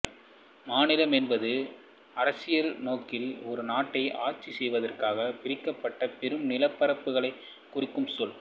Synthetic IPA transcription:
maːnɪlɐmɛnbɐðɯ | ɐɾɐsɪjɐlnoːkɪlɔɾɯnaːʈːɐɪʔaːɾt͡ʃisɛjʋɐðɐrkaːɣɐpɪɾɪkːɐpːɐʈːɐpɛɾɯmnɪlɐpːɐɾɐpːɯɣɐɭɐɪ | kːʊrɪkːɯmsɔl

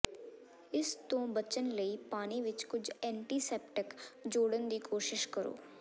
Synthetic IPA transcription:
ɪst̪õːbət͡ʃənləiːpaːniʋɪt͡ʃkʊd͡ʒʱɛ̃ːɳʈiːsɛːpʈəkd͡ʒoːɽənd̪iːkoːʃɪʃkəɾo̰ː

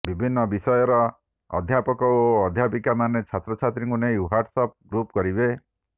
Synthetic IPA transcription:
bibʱinːɔbisɔjɔɾɔ | ɔ̰d̪ʱjapɔkɔoɔd̪ʱjapikamanet͡ʃʰat̪ɾɔt͡ʃʰat̪ɾĩŋkunejuɦaɾɖsɔp̚ɡɾupkɔɾibe

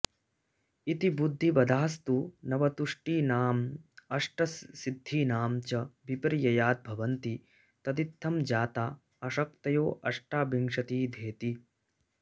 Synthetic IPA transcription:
it̪ibud̪ʱːibɐd̪ʱaːst̪unɐʋɐt̪uʂʈiːnaːmɐʂʈɐsːid̪ʱːiːnaːmt͡ʃɐbipɾijɐjaːt̪̚bʱɐʋɐnt̪i | t̪ɐt̪it̪ʰːɐmd͡ʒaːt̪aː | ɐʃɐk̚t̪ɐjoːʔɐʂʈaːbiŋʂɐt̪iːd̪ʱeːt̪i

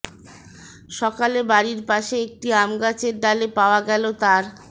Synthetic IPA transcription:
ʃɔkalebaɾiɾpaʃeek̚ʈiamɡat͡ɕeɾɖalepaoaɡɛlot̪aɾ

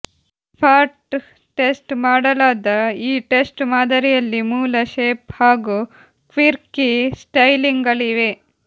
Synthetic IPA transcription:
pʰaːɾʈ | ʈesʈmaːɽɐlaːd̪ɐiːʈesʈmaːd̪ɐɾijɐlːimuːlɐʃeːphaːɡuː | kʋiɾkisʈɐjliŋɡɐliʋe

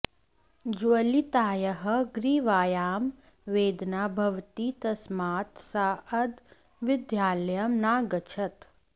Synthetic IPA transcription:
d͡ʒuɐlit̪aːjɐɦɐ̆ɡɾiːʋaːjaːm | ʋeːd̪naːbʱɐʋt̪iːt̪ɐsmaːt̪saːɐd̪ | ʋɪd̪jaːlɐjɐmnaːɡɐt͡ʃʰɐt̪

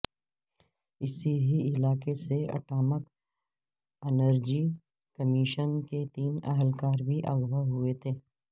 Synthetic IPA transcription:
ɪsiɦiɪlaːkeseɐ̰ʈaːmək | ɛnəɾd͡ʒi | kəmɪʃənket̪iːnəɦəlkaːɾbʱiʔɐɣʋəɦʊet̪ʰeː

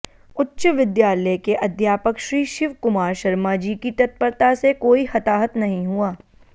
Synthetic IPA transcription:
ʊtːʃəʋɪd̪jaːləjkeʔɐd̪ʱjaːpəkʃɾiːʃɪʋkʊmaːɾʃɐɾmad͡ʒiːkit̪ɐt̪̚pəɾt̪asekoːixɐt̪aːɦət̪nɐɦĩɦuaː

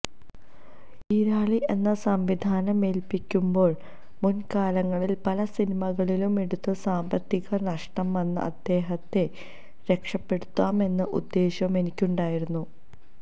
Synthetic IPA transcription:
iɾaːɭiʔe̞nːɐsɐmʋid̪ʱaːnɐme̞lpikʲːumbo̞ːɭ | munkaːlɐŋːɐɭilpɐlɐsinimɐɣɐɭilume̞ɽut̪ːɨsaːmbɐt̪ːiɣɐnɐʂʈɐmʋɐnːɨ̰ʔɐ̰d̪̥ːe̞ːɦɐt̪ːe̞ | ɾe̞kʂɐpːe̞ɽut̪ːaːme̞nːɨʔṵd̪ːe̞ːɕɐme̞nikʲːuɳɖaːjiɾunːu

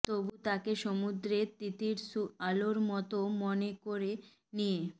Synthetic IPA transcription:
t̪obut̪akeʃomud̪ɾet̪it̪iɾsualoɾmɔt̪omɔnekoɾe | nije

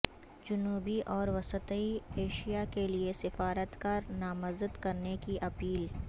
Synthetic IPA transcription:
d͡ʒʊnuːbiʔɔːɾʋɐsət̪əieːʃijakeliesɪfaːɾət̪kaːɾnaːmɐzəd̪kɐɾnekiʔɐpiːl

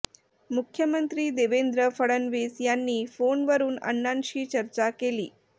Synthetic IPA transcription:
mukʰjəmənt̪ɾiːd̪eʋend̪ɾəfəɽənʋesjanːiːfonʋəɾuːnə̰nːanɕiːt͡ɕəɾt͡ɕakelḭː

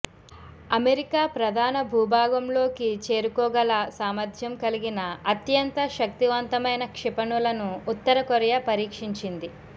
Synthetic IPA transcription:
ɐmeɾikaːpɾɐd̪ʱaːnɐbʱuːbʱaːɡɐmlo̞ːkit͡ʃe̞ːɾukɔːɡɐlasaːmɐɾd̪ʱjɐmkɐliɡinɐɐt̪jɐnt̪ɐʃɐk̚t̪iʋɐnt̪ɐmɐjnɐkʂipɐɳulɐnuːt̪ːɐɾɐkoɾjapɐɾiːkʂiɲt͡ʃind̪i

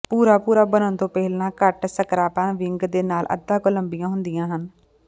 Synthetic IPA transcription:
puːɾaːpuːɾaːbənənt̪õːpɛɦɪlãːkəʈsəkɾaːpãnʋɪŋɡd̪eːnaːlʔə̰d̪ːãːkʊləmbɪjãːɦʊnd̪ɪjãːɦən

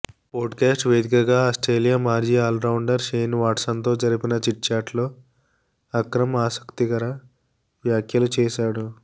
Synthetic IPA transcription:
poːʈkaːsʈʋe̞ːd̪ikɐɡaːɐsʈɾeːlijaːmaːɾd͡ʒiːaːlɾɐwuɳɖɐɾʃejnʋaːʈsɐnt̪o̞ːd͡ʒɐɾipinɐt͡ʃiʈ̚t͡ʃaːɾʈlo̞ː | ɐkɾɐmaːsɐ̥kt̪iɡɐɾɐ | ʋjaːkjɐlut͡ʃɛːʃaːɽu

